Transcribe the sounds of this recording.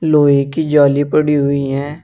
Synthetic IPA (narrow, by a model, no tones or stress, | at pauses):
loːikid͡ʒɔːlipɐɽiɦʊiɦɛː